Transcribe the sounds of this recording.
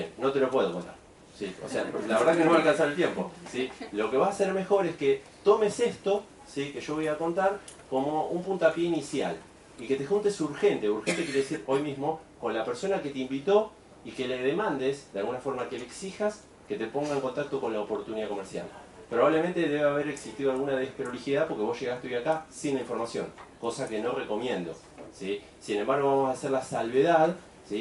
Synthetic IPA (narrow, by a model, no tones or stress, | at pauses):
enno̞t̪e̞lopwe̞ðokont̪a̰ɾ | sio̰sea̰laβeɾðakenoalkansaɾelt̪je̞mpo̞̰silo̞ke̞βasase̞ɾme̞xo̞ɾeske̞ | t̪o̞me̞se̞st̪o | sikeʒo̞βojako̞nt̪aɾko̞moumpunt̪oapje̞inisja̰l | ike̞t̪e̞xunt̪e̞suɾxe̞nt̪euɾxe̞nt̪ekjeɾeesiɾo̞jmizmo̞ko̞nlapeɾso̞nake̞t̪eimbit̪o̞ | ike̞leðemãnd̪esðealɣunafo̞ɾmakeleksixas | ke̞t̪epo̞ŋɡaeŋko̞nt̪ak̚t̪oko̞nlaopo̞ɾt̪uniðako̞meɾsja̰lpɾoβaβle̞me̞nt̪eðe̞βeaβ̞eɾeksit̪iðoalɣunaðeehpɾolixjiðapo̞ɾkeβo̞sʃe̞ɣat̪eojakasinlaiɱfoɾmasjo̞̰ŋko̞sake̞no̞re̞ko̞mjẽ̞nd̪o̞̰ | si | sine̞mbaɾɣ̞o̞βamosaseɾlasalβe̞ðað | si